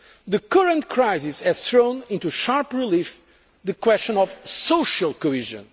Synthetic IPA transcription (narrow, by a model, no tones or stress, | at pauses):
ðɨkʌɹə̃nt̪̚kʰɹajzisɛz̥θɹõʊ̃nĩnt̪uʃaɹpɹilif | ðɨkwɛst͡ʃə̃nɔvsoʃalˠkohiʒɨ̰̃n